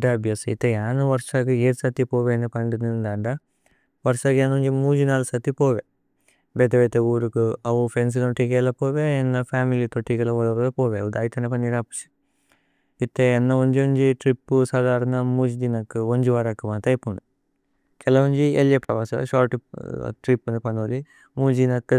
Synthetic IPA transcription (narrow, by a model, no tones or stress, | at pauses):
ɐɐbjɐsḭt̪ːeaːnuʋɐɾʂaːɡɨeːɾsat̪ipoːʋenːɐpɐɳɖinind̪aːɳɖɐ | ʋɐɾʂaːɡjaːnoɲd͡ʒimuːd͡ʒinaːlsɐt̪ːipoːʋe | beːd̪ɐʋeːt̪euːɾukɨɐʋupʰens̬ilɐnʈikeːlɐpoːʋeenːɐpʰaːmilit̪oʈːikɐlɐʋɐlɐɾɐd̪ɐpoːʋeɐʋud̪aːjit̪ɐnep̬ɐniɾaːpi̥t͡ʃi̥ | it̪ːeːnːɐoɲd͡ʒioɲd͡ʒiʈɾipːusaːd̪aːɾɐnɐmuːd͡ʒid̪inɐkːɨoɲd͡ʒuʋaːɾɐkːumant̪ɐjpuɳu | kɛlɐʋuɲd͡ʒiḛljepɾɐʋaːsɐ̰ʃaːʈːiʈɾipːɐnd̪ɐpɐɳoːli | muːd͡ʒ̪inɐkːɨ